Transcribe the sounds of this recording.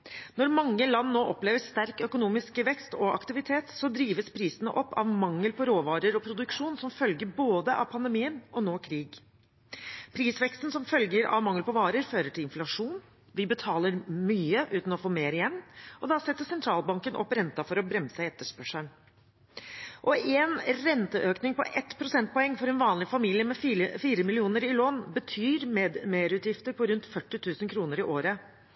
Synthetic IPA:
nɔɾmɑŋːəlɑnːoːʔɔpleːʋəst̪æɾkœkʊnuːmɪskəʋɛkst̪ɔʔɑ̰kt̪ɪʋɪt̪ʰeːt̪sɔd̪ɾiːʋəspʰɾiːsənə̰ʔɔpːɑ̰ʋmɑŋːəlpʰɔɾoːʋɑːɾəɾɔpʰɾʊd̪ʉkʂuːnsɔmfœlɡəɾboːd̪əʔɑ̰pʰɑnd̪əmiːənʔɔnoːkʰɾiːɡ | pʰɾiːsʋɛkst̪n̩sɔmfœlɡəɾɑ̰ʋmɑŋːəlpɔʋɑːɾəɾføːɾəʈʰɪlɪnflɑʂuːn | ʋɪbət̪ʰɑːləɾmyːəʔʉːt̪n̩ɔfoːmeːɾɪjɛnːɔd̪ɑsɛt̪ːəsɛnt̪ʰɾɑːlbɑŋkənʔɔ̰pːɾɛnt̪ɑfɔɾɔbɾɛmsəɛt̪ːəʂpœʂən | ʔɔɛːnɾɛnt̪əʔøːknɪŋpɔ̰ʔɛt̪ːpʰɾʊsɛnt̪̚pɔɛŋːfɔɾɛnʋɑːnlɪfɑmiːlɪəmɛfəfiːɾəmɪlɪuːnəɾɪloːnbət̪ʰyːɾmed̪meːɾʉːt̪jɪft̪əɾpɔɾʉnt̪fœʈːɪt̪ʰʉːsənkʰɾuːnəɾɪʔoːɾə

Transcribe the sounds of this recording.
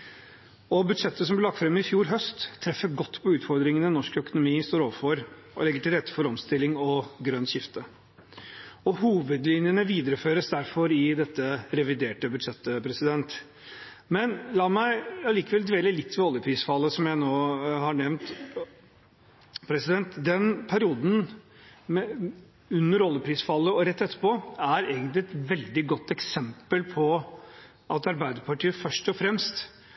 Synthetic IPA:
ɔbʉd̪ʂɛt̪ːəs̬ɔmb̪ɪlɑk̚t̪fɾɛmːɪfjuːɾɦœst̪ʰːɾɛfːəɾɡɔt̪ːpʰɔʉːt̪fɔɾd̪ɾɪŋənənɔʂkœkʊnʊmiːst̪oːɾoːʋəfɔɾ | ɔ̰lɛɡːəʈɪlɾɛt̪ːə̥fɔɾɔmst̪ɪlːɪŋɔɡɾœnːɕɪft̪ə | ɔhuːʋəd̪lɪnjənəʋiːd̪əɾəføːɾəsd̪æɾfɔɾɪd̪ɛt̪ːəɾɛʋɪd̪eːʈəbʉd̪ʂɛt̪ːəpʰɾɛsɪd̪ɛnt̪ | mɛnlɑːmæɪɑliːkəʋɛld̪ʋeːləlɪt̪ːʋɛɔlːəpʰɾiːsfɑlːəsɔmjæɪnoːhɑɳɛʋnt̪ | pʰɾɛsɪd̪ɛnt̪d̪ɛnpʰæɾɪuːd̪n̩ | m | ʉnːəɾɔlːəpʰɾiːsfɑlːəɔɾɛt̪ːɛt̪ːə̥pɔæɾeːɡənt̪lɪɛt̪ʋɛld̪ɪɡɔt̪ːɛksɛmpəlpʰɔ | ʔɑt̪ɑɾbæɪd̪əɾpɑʈiːəfœʂʈɔfɾɛmst̪

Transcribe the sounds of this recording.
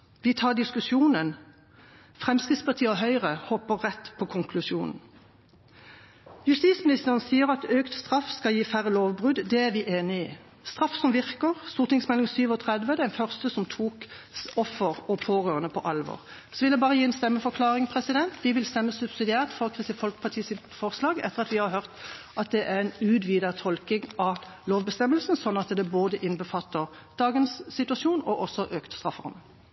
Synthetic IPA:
ʋɪt̪ʰɑːd̪ɪskʉsjuːnən | fʁɛmskʁɪt̪spʰɑt̪ʰiːəɔɦœʏʁəhɔpəʁːɛt̪ːpʰɔkʰʊŋkʰlʉsjuːnn̩ | jʉst̪iːt̪smɪnɪst̪əʁənsiːəʁɑt̪øːkt̪st̪ʁɑfːskɑljiːfæʁəloːʋbʁʉd̪d̪ɛæʁʋɪʔeːnɪiː | st̪ʁɑfsɔmʋɪʁkəʁst̪uːʁt̪nɪŋsmɛlɪŋsyːʋɔt̪ʰʁɛd̪ʋəd̪ɛnfœʁst̪əsɔmt̪ʰuːkɔfːəʁɔpʰoːʁøːʁənəpʰɔʔɑlʋɔ̰ːʁ | sɔʋɪljæbɑːʁəjiːɛnst̪ɛmːəfɔʁkʰlɑːʁɪŋpʰʁɛsɪd̪ɛnt̪d̪ɪʋɪlst̪ɛmːəsʉb̥sɪd̪ɪæːʁt̪fɔʁkʰʁɪst̪ɪfɔlkpʰɑt̪ʰiːsɪt̪fɔʁslɑːɡɛ̰t̪ːəʁɑt̪ʋɪhɑɾhœʁt̪ | ɑt̪̚d̪ɛʔæʁɛnʉːd̪ʋiːd̪ət̪ʰɔlkɪŋɑ | loːʋbəst̪ɛmːəlsn̩sɔnːɑt̪d̪ɛboːd̪əʔɪnbəfɑt̪ːəʁ | d̪̥ɑːɡənsːɪt̪ʉɑsjuːnɔʔɔsːɔʔøːkt̪st̪ʁɑfhɔ̰m

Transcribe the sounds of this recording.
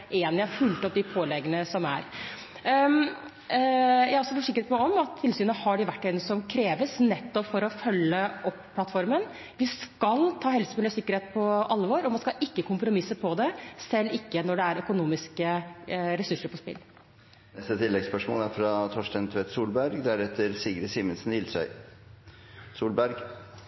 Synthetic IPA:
ʔeːnɾfʉlt̪ɔp̚d̪ɪpʰoːlɛɡənəsɔmæ̰ɾ | jæhɾɔsɔfɔʂɪkːəɾət̪mɛɔmɑt̪ʰːɪlsyːnəhɑɖɪʋæʈːɛnsɔmkʰɾeːʋəsnɛt̪ːɔpfɔɾɔfœlːəʔɔpːpʰlɑt̪fɔɾmən | ʋɪskɑlt̪ʰɑːhɛlsəmɪlsɪkːəɾheːt̪̚pʰɔʔɑlːʋɔɾɔmɑnskɑlʔɪkːəkʰʊmpɾʊmɪsːəpʰɔd̪ɛsɛlːɪkːənɔɖɛæɾœkʊnuːmɪskəɾɛsʉʂːəɾpɔspɪ̰lː | nɛst̪ət̪ʰɪlːɛɡspœʂmo̰ːlæɾfɾɑt̪ʰɔʂʈɛnt̪ʰʋɛːt̪suːlbæɾɡd̪æɾɛt̪ʰːəɾsiːɡɾəsiːmənsnɪlsœ̰ʏ | suːlbæɾɡ

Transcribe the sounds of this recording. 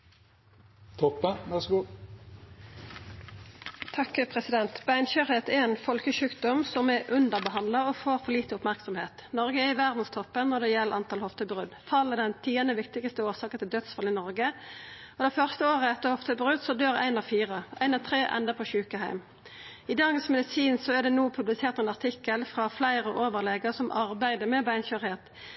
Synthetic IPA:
t̪ʰɔpːəʋæʁsɡuː | t̪ʰɑkəpʰʁɛsɪd̪ɛnt̪bæɪnɕøʁheːt̪ɛɛnfɔlkəʃʉːkd̪ɔmsɔmɛʔʉnd̪əʁbəɦɑnd̪ləɔfoːʁfɔʁliːt̪əʊpmæʁksɑmheːt̪nɔʁɡəɛɪʋæʁd̪n̩st̪ʰɔpːənnɔʁd̪ɛːjɛləɑnt̪ʰɑːlhɔft̪əbʁʉd̪fɑlːəd̪ɛnt̪ʰiːənəʋɪkt̪ɪɡəst̪əoːsɑːkət̪ʰɪld̪œt̪sfɑlɪnɔʁɡə | ɔd̪ɛfœʁst̪əoːʁəɛt̪ːəhɔft̪əbʁʉd̪sɔd̪øːɾæ̰ɪnɑʋfiːʁəʔæɪnɑʋt̪ʰʁeːʔɛ̰nd̪əpʰɔɕʉːkəɦæɪm | ɪd̪ɑːɡənsmɛd̪ɪsiːnsɔɛʁd̪ɛnuːpʰʉblɪseːɾt̪ɛnɑʁt̪ʰɪkːəlfʁɑflæɪʁəʔoːʋəʁlɛɡəʁsɔmʔɑʁbæɪd̪əmɛbæɪnçøɾheːt̪

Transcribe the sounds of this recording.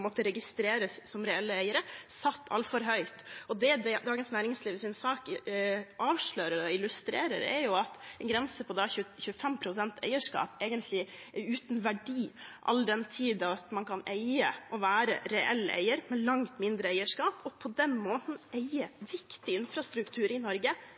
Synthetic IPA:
mɔt̪ːəɾɛɡɪst̪ɾeːɾəsːɔmɾɛɛlːəæɪəɾəsɑt̪ːɑ̰lfɔɾɦœʏt̪ɔd̪ɛd̪ɛd̪ɑːɡənsnæːɾɪŋsliːʋəsɪnsɑːk | ʔɑːʋʂɭœːɾəɾɔɪlʉst̪ɾeːɾə̰ɾɛ̰jʊɑt̪ɛnɡɾɛnsəpʰɔd̪ɑçʉçʉəfɛmpʰɾʊsɛnt̪æ̰ɪəʂkɑ̰ːpeːɡənt̪ʰlɪ | ɛʉːt̪nʋæɖiːʔɑ̰ld̪ɛnt̪ʰiːd̪ɑɑt̪mɑnkʰɑnæɪə̰ʔɔʋæːɾə̰ɾɛʔɛ̰lːəʔæ̰ɪəɾmɛlɑŋt̪mɪnd̪ɾəæɪəʂkɑːpʰɔpʰɔd̪ɛnmoːt̪n̩æɪəʋɪkt̪ɪɪnfɾɑst̪ɾʉkt̪ʰʉːɾɪnɔɾɡə

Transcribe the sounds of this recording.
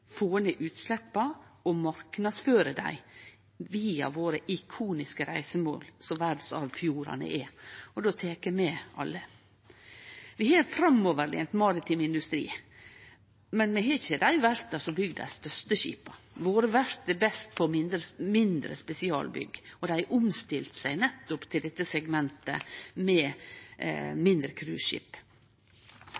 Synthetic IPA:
foːənəʔʉːt̪slɛpːɑɔmɑɾknɑd̪sføːɾəd̪æ̰ɪ | ʋiːɑ̰ʋoːɾəʔɪkʰuːnɪskəɾæɪsəmo̰ːlsɔʋæɾɖ̪nsɑ̰ʋfjuːɾɑ̰nə̰ʔɛɔd̪oːt̪ʰeːkəmɛʔɑ̰lːə | ʋɪhɑːfɾɑmoːʋəɾlḛːnt̪mɑːɾɪt̪ʰɪmɪnd̪ʉst̪ɾḭː | mɛnmɛɦɛsɛd̪æjʊʋæɾt̪ɑsɔbʏɡd̪æ̰ɪst̪œʂt̪əʃḭːpɑ | ʋoːɾəʋæɾt̪̚d̪ɛbɛst̪fʰɔmɪnd̪ɾəmɪnd̪ɾə̰spɛsɪɑ̰ːlbʏ̰ɡːɔd̪æɪæʔʊmst̪ɪlt̪sæɪnɛt̪ːʊpt̪ʰɪld̪ɛt̪ːəsɛɡmɛnt̪ə̰mɛ | mɪnd̪ɾəkʰɾʉ̰ːʃɪ̰p

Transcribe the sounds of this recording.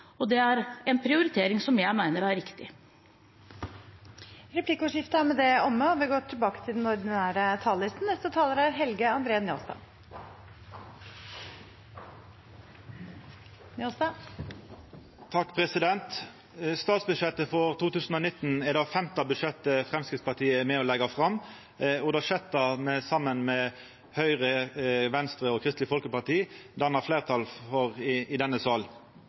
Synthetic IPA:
ɔd̪ɛæɾɛnpʰɾɪʊɾɪt̪ʰeːɾɪŋsɔmjæɪmæɪnəɾæɾɾɪkt̪ɪ̰ | ɾɛpʰlɪkːəoːʂɪft̪əæmɛd̪ɛɔmːəɔʋɪɡoːʈ̪ʰɪlbɑːkə̥t̪ʰɪld̪ɛnɔɾd̪ɪnæːɾət̪ʰɑːllɪst̪n̩nɛst̪ət̪ʰɑːləɾæɾɦɛlɡəɑnd̪ɾeːnjo̰ːst̪ɑ̰ː | njost̪ɑ | t̪ʰɑkːpʰʁɛsɪd̪ɛnt̪ | st̪ɑːt̪sbʉʂɛt̪əfɔʁt̪uːt̪ʉːsn̩ɔːnɪt̪ːn̩ɛd̪ɑfɛmt̪ɑbʉd̪ʂɛt̪ːəfʁɛmskʁɪtspɑʁt̪ʰiːəæmɛɔlɛɡɑfʁɑmː | ɔd̪ɑʂɛt̪ːɑmɛsɑmːənmɛ | hœʏʁəʋɛnst̪ʁəɔkʰʁɪst̪lɪfɔlkəpɑt̪iːd̪æɑnɑʁfleːʁt̪ʰɑlfɔʁːd̪ɛnːəsɑːl

